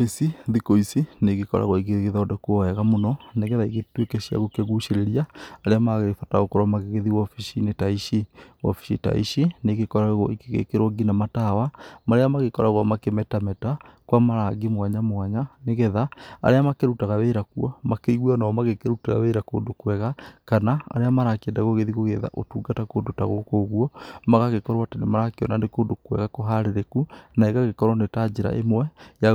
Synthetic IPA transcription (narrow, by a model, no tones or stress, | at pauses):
fesiðikoisineɣekɔɾa̰ɣɔiɣeɣeðaɔdɛkwɔɛɣamonɔneɣɛðaiɣetwekɛʃia̰ɣokeɣuʃeɾeɾiaːɾeamaɣefataɣokoɾɔmaɣeɣeðiwɔfiʃinetaiʃiwɔ̰fi̥ʃḭta̰ḭʃineɣekɔɾaɣɔ̰ikeɣḛkeɾoɡinamatawamaɾeamaɣekɔɾaɣwamakemɛtamɛtakwamaɾaɡemwaɲamwaɲaneɣeðaa̰ɾeamakeɾutaɣaβeɾakuɔmakeiɣwanamaɣekeɾuteɣa̰βeːɾako̰ːndokwɛɣakanaa̰ɾeamaɾakɛndaɣoɣeðiɣoɣeða̰ʔo̰tuːɡatakoːndota̰ɣo̰koɣwɔmaɣaɣekɔɾoatenemaɾakeɔnanekoːndokwɛ̰ɣakoɦaɾeɾekunaeɣaɣekɔɾwɔnetad͡ʒeɾa̰ʔḛmwɛja